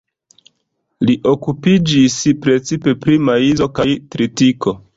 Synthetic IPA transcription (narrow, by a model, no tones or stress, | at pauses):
liʔo̞kupid͡ʒispɾe̞t͡sipe̞pɾimaizo̞kajtɾitiko̞